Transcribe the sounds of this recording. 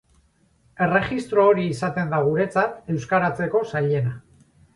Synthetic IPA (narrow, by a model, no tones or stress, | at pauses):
e̞re̞ɣist̪ɾo̞ːɾiːsat̪e̞nd̪aɣ̞uɾe̞t͡sat̪e̞wskaɾat͡se̞ko̞saʎe̞na